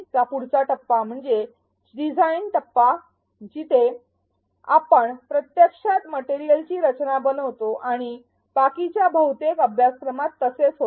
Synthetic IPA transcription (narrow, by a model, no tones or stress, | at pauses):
t͡sapuɽt͡saʈəpːam̤əɳd͡ze | ɖid͡zʱainʈəpːa | t͡ɕit̪e | a̰pəɳpɾət̪jəkʂat̪məʈeɾijəlt͡ɕiːɾət͡ɕnabənəʋt̪oʔaɽ̃i | b̥akit͡ɕjabʱəɦut̪ekəbʱjaskɾəmat̪ːəset͡sɦo